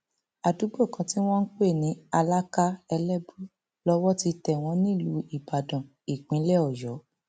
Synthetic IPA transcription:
a˨du˨˦bo˦˨kã˧ti˦w̃ɔ̃˦n̩˦k͡pe˦˨nĩ˨˦a˧la˦ka˦ɛ˧lɛ˦bu˦ | lɔ˦wɔ˦ti˧tɛ˨w̃ɔ̃˨˧˦nĩ˦˨lu˨˦i˨ba˨dã˨ | i˨k͡pĩ˨˦lɛ˦ɔ˨jɔ˨˦

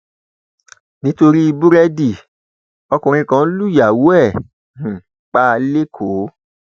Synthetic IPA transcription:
nĩ˦to˧ɾi˦i˧bu˦ɾɛ˦di˦˨ | ɔ˧kũ˨ɾ̃ĩ˧kã˦lu˦˨ja˨wu˦ɛ̃˦˨ | k͡pa˦˧le˦kʰo˨˦

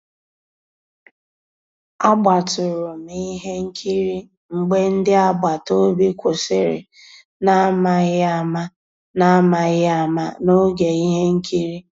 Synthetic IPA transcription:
a˦ɡ͡ba˨tʊ˨ɾʊ˨mi˦ɦe˦ŋ̩˦kʰi˦ɾi˦ | ŋ͡m̩˨ɡ͡be˦n̩˦dɪ˦a˦ɡ͡ba˨to˦bi˦kʷʰo˨se˦ɾḛ˨ | na˦ma˦ɣɪ˦a˦ma˦ | na˦ma˨ɣɪ˦a˨ma̰˦no˦ɡe˨i˦ɦe˦ŋ̩˦kʰi˦ɾi˦

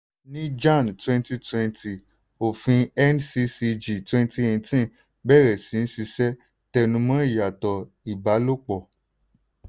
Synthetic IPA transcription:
nĩ˦d͡ʒã˦˨n˨twɛ̃˦n˦ti˦twɛ̃˦˧nti˨ | o˨fĩ˧ɛ˦n˦si˧si˧d͡ʒi˨twɛ̃˦n˦ti˦ẽ˨˧tĩ˦˨ | bɛ˦˨ɾɛ˨sĩ˨˦n̩˦si˧sɛ˦ | tɛ˧nũ˧mã˦i˦˨ja˨tɔ˨ | i˨ba˨˦lo˦k͡pɔ˨

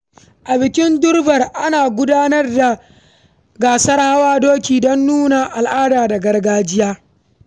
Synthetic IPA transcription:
ʔa˨bɪ˨kʲɪ˦ndʊ˦rbɐ˨rʔa˦naː˨ɡʷʊ˦daː˦nɐ˦rda˨ | ɡaː˨sɐ˦rha˦waː˦doː˦kʲiː˨dɔ˦nːuː˦na˨ʔa˨lʔaː˦daː˨da˨ɡɐ˦rɡaː˦d͡ʒɪ˦jaː˦

